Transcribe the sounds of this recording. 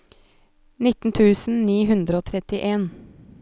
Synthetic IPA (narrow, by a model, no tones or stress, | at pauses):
nɪt̪n̩t̪ʰʉːsn̩niːɦʉnd̪ɾəoːt̪ʰɾɛt̪ɪʔeːn